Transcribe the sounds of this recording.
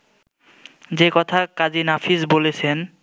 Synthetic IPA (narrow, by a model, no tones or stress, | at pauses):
d͡ʑekɔt̪ʰakad͡ʑinafʰisbolet͡ɕʰen